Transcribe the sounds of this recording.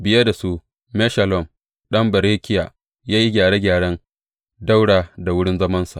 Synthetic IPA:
bɪ˨je˦da˨su˦ | mɛ˦ʃa˨lɔ˦˨m | ɗɐ˦mbɐ˨ɾeː˦kʲɪ˦ja˨ | jaː˦ji˦ɡʲaː˨ɽeː˦ɡʲaː˨ɽɐ˦n | da˦wɽaː˨da˨wʊ˦ɽɪ˦nzɐ˦mɐ˦nsa̰˨

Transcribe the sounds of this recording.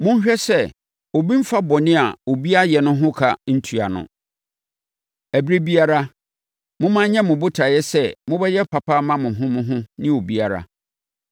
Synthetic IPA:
mʊ̃˦ɲ˦ɕᶣɛ˦sɛ˦ | o˨bĩ˦m̩˦fa˦bɔ˨nɪ̃˦a̰˨o˨bi˦a˦jɛ˨nʊ̃˦ɦʊ̃˦kʰa˨n̩˦tʰu˨a˨nʊ̰̃˨ | æ˨bɾe˦bi˦a˦ɾa˦ | mʊ̃˦mã˦ɲɛ̃˦mʊ̃˨bʊ˦tʰa˨jɛ˦sɛ˦mʊ̃˦bɛ˦jɛ˦pʰa˨pʰa˦mã˦mʊ̃˨ɦʊ̃˦mʊ̃˦ɦʊ̃˦nɪ̃˦o˨bi˦a˦ɾa̰˦

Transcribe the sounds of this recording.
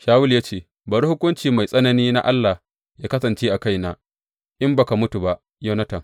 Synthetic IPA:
ʃaː˦wʊ˦ljaː˦t͡ʃeː˦˨ | baː˨ɽi˦hʊ˦kʷʊ˦nt͡ʃiː˨ma˨jsʼɐ˦nɐ˦niː˦na̰˦ʔa˦lːa˨h | jaː˦kɐ˦sɐ˨nt͡ʃeː˦ʔa˨ka˦jnaː˦ | ʔɪ˦mbɐ˨ka˨mʊ˦tu˨ba˦ʔ | jɐ˦nɐ˦tɐ˨ŋ

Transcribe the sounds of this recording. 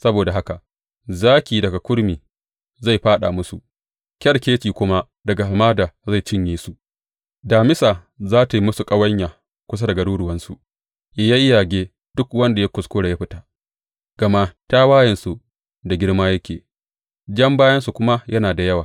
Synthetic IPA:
sɐ˦boː˨da˨ɦa˦ka˨ | zaː˦kʲiː˨dɐ˨ɡa˨kʷʊ˦ɽmiː˨ | za˦˨jɸaː˦ɗa̰˨mʊ˦su˨ʔ | kʲɐ˦ɽkʲeː˦t͡ʃiː˨kʷʊ˦ma˦ | dɐ˨ɡa˨ha˨maː˦daː˨za˦˨t͡ʃɪ˦ɲjiː˦su˨ | daː˨mɪ˦saː˨ | zaː˦ta˨ji˦mʊ˦su˨kʼɐ˦wɐ˦ɲjaː˨ | kʷʊ˦s̬a˦dɐ˨ɡɐ˨ɽuː˦ɽʊ˨wɐ˦nsu˨ | ja˦ja˦ʔɪ˦jaː˨ɡʲeː˦ | d̥ʊ˦kwɐ˦nda˨ja˦kʷʊ˨skʷʊː˦ɽa˨ja˦ɸɪ˦taː˨ | ɡ̥ɐ˨ma˦ta˦waː˦jɐ˨nsu˨ | da˨ɡʲɪ˦ɽmaː˦jɐ˦kʲḛː˨ | d͡ʒɐ˦mbaː˦jɐ˦nsu˨kʷʊ˦ma˦jɐ˦naː˨da˨jɐ˦waː˨

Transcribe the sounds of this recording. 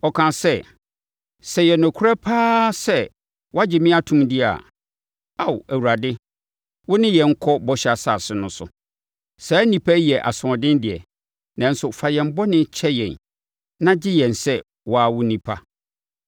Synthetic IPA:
ɔ˨kʰã˨sɛ˦ | sɛ˨jɛ˨nʊ̃˨kʰu˦ɾa˦pʰaː˦sɛ˦ | wɔ˦a˦d͡ʑɪ˨mɪ̃˦a˦tʰũ˨mdɪ˦a̰˨ | a˨wæ˨wu˨ɾa˨dɪ˦ | wʊ˦nɪ̃˦jɛ˨ŋ̩˦kʰɔ˦bɔ˦ɕa˨sa˨sɪ˦nʊ̃˦sʊ̰˨ | sɛ˨˦nĩ˨pʰa˦jɛ˨ʔa̰˨sʊ˨ɔ˨dɪ̃˦n˦dɪ˨ɛ̰˨ | nã˨n̩˦sʊ˨fa˨jɛ̃˨m̩˦bɔ˦nɪ̃˦t͡ɕʰɛ˦jɛ̃˨n | nã˦d͡ʑɪ˦jɛ̃˨nsɛ˦ | wɔ˦a˦˨wʊ˦nĩ˦pʰa˦

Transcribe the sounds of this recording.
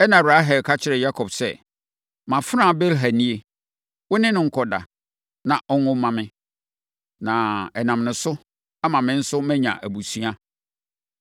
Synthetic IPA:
ɛ˦nã˨ɾa˨˦ɦɛ˨kʰa˦t͡ɕʰɪ˦ɾɛ˨ja˦kʰɔ˨bsɛ˦˨ | mã˨fɾã˦˨bɛ˦lɦæ˨nĩ˦e˦ | wʊ˦nɪ̃˦nʊ̃˦ŋ̩˦kʰɔ˨da̰˨ | nã˨ʔɔ˦nʊ̃˦mã˨mɪ̃˦ | nã˨ɛ˨nã˨mnʊ̃˨sʊ˦ | a˦mã˨mɪ̃˦n̩˦sʊ˦mɛ̃˦ɲã̰˨ʔæ˨bu˨sɥa˦

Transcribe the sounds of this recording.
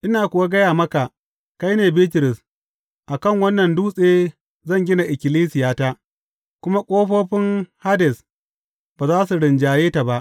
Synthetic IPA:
ʔɪ˦naː˨kʷʊ˨wa˦ɡɐ˦jaː˨mɐ˦ka˨ʔ | ka˦jneː˨biː˦tɪ˨ɾɪ˨s | ʔa˨kɐ˦˨ŋwɐ˦nːɐ˨nduː˦sʼeː˦ | zɐ˦˨ŋɡʲɪ˦na˨ʔɪ˨kʲɪ˨liː˦sɪ˨jaː˦taː˦ | kʷʊ˦ma˦kʷʼoː˦ɸoː˦ɸɪ˦ŋha˦dɛ˨s | baː˨zaː˦su˨ɽɪ˨nd͡ʒaː˨jeː˦ta˨ba˦ʔ

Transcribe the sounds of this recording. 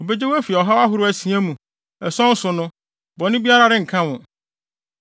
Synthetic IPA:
ɔ˨be˦d͡ʑe˦wæ˦fi˨ɛ˨ɔ˨ɦa˦wa˦ɦʊ˦ɾʊ˦æ˨sĩ˨˦æ˦mũ˨ | ɛ˨sɔ̃˦n̩˦sʊ˨nʊ̃˦ | bɔ˨nɪ̃˦bi˦a˦ɾa˦ɾɪ˦ŋ̩˨kʰã˦wʊ̃˨

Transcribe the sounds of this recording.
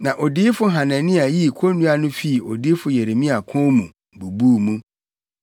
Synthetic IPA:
nã˨ʔɔ˨diː˦fʊ˦ɦã˨nɛ̃˨nɪ̃˦a˨ji˦˨kʰo˦nũ˦a˦nʊ̃˦fi˦˨ɔ˨diː˦fʊ˨˦jɛ˨ɾe˨mĩ˦a˨kʰɔ̃˦mũ˨ | bu˨buː˦˨mũ˦

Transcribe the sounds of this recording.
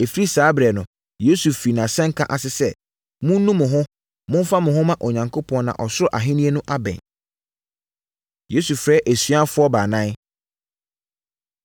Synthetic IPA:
e˨fɾi˦saː˨˦bɾɛ˨nʊ̃˨ | je˦su˨fɾi˨nã˨sɛ̃˦ŋ˦kʰã˦˨ʔa˨sɪ˦sɛ˦ | mʊ̃˦n˦nũ˦mʊ̃˨ɦʊ̃˦ | mʊ̃˦n˦fa˦mʊ̃˨ɦʊ̃˦mã˦ʔo˨ɲã˨ŋkʰo˦pʰɔ̃˦n˦nã̰˨ʔɔ˨sʊ˦ɾʊ˦ʔa˨ɦɪ̃˦nĩ˦e˦nʊ̃˦ʔa˦bɛ̰̃˨n | je˦su˨fɾɛː˦ʔæ˨sɥa˦fʊ˦ɔ˦baː˨nã˦n˦

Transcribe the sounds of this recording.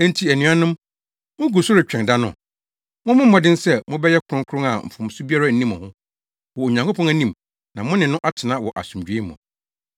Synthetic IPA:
n˦tʰi˨æ˨nỹ˨˦a˦nʊ̃˦m | mʊ̃˦ɡu˨sʊ˦ɾɪ˨t͡ɕᶣɛ̃˨nda˦nʊ̰̃˨ | mʊ̃˦mʊ̃˦m̩ː˦ɔ̃˨dɪ̃˦n̩˦sɛ˦mʊ̃˦bɛ˦jɛ˦kʰʊ˨ɾʊ̃˦ŋkʰʊ˦ɾʊ̃˦ŋa˨m̩˨fʊ̃˨m˨sʊ˦bi˦a˦ɾa˦n̩˨nĩ˦mɔ̃˨hʊ̃˦ | wɔ˨o˨ɲã˨ŋkʰo˦pʰɔ̃˦næ˦nĩ˦m | nã˨mʊ̃˦nɪ̃˨nʊ̃˦ʔa˦tʰɪ˨nã˦wɔ˨ʔa̰˨sũ˨md͡ʑᶣɥe˦mʊ̰̃˨

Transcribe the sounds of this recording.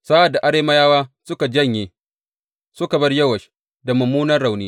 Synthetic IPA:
sa˦ʔa˨da˨ʔa˦ɾeː˦mɐ˦jaː˦waː˦sʊ˦ka˨d͡ʒɐ˦ɲjeː˨ | sʊ˦ka˨bɐ˦rjɐ˦wɐ˨ʃ | da˨mʊ˨muː˦nɐ˦rɽa˨wniː˦

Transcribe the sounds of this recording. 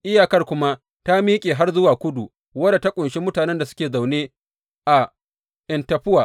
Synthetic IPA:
ʔɪ˦jaː˨kɐ˦rkʷʊ˦ma˦ | ta˦miː˦kʲʼeː˨ɦa˦rzʊ˦waː˨kʷʊ˦du˨ | wɐ˦da˨ta˦kʷʼʊ˨nʃe˦mʊ˦taː˨nɛ˦nda˨sʊ̥˦kʲeː˨za˨wneː˦ | ʔa˨ | ʔɪ˨ntɐ˨ɸɪ˦waː˨

